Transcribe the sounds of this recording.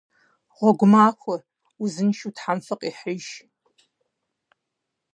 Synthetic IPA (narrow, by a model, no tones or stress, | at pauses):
ʁʷɔɡʷʊmaːxʷʰʊ | uzɨnʃutʰħamfɐqʼiħɪʒ